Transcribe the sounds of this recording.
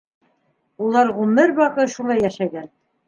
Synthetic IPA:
ulˠɑɾʁumɘɾbɑqɤʃulˠɑjːæʃæɡæn

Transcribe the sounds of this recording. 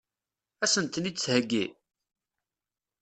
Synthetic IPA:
æsənt̪nit͡sːhəɡːi

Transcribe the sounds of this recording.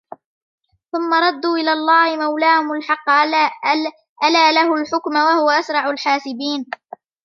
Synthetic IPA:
θʊmːaɾˤɑd̪ːuːʔɪlaːlˤːɑːhɪmawlaːhʊmʊlħɑqː | ʔalaːlahʊlħʊkmawahʊwaʔasɾˤɑʕʊlħaːsɪbiːn

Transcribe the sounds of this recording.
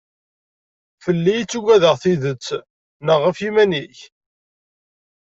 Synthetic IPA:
fəlːijt͡sːuɡæðəʁθiðət͡sː | nəʁːəfimæniç

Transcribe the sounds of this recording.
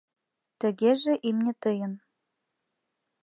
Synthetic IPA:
t̪ə̆ɣeʒeʔimnʲĕt̪ɤjə̆n

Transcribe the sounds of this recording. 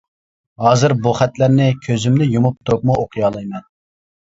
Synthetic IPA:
ɦɑːzɨɾbuχæt̪læɾnɪkʲʰøzymnɪjumup̚t̪ʰop̚muoqʰɨjɑːlˠɑjmɛn

